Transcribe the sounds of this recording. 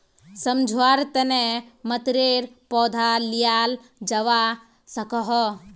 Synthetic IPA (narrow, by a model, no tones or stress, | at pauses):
sɐmd͡ʒʱwaːɾt̪ənemɐt̪ɾeɾpɔːd̪ʱalijaːl | d͡ʒɐʋa | sɐkɔɦɔ